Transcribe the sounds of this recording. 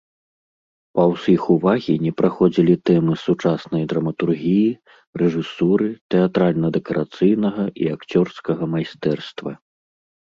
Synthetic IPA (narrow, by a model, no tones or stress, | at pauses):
pɐwsʲixuvaɣʲinʲɛpɾaxɔd͡zʲilʲit̪ɛmɨsut͡ʂasnɐjd̪ɾɐmɐt̪urɣʲiji | rɛʐɨsuɾɨt̪ɛat̪ɾalʲnɐd̪ɛkɐɾʔat̪sɨjnɐɣɐʔiakt͡sʲɔrskɐɣɐmajst̪ɛrst̪vɐ